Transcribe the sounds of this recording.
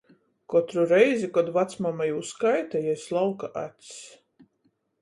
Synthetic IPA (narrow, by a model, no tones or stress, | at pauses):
kɔt̪ɾuɾɛjzikɔd̪vat̪smamajuskajt̪ajɛsʲlˠawkaʔat̪ʲs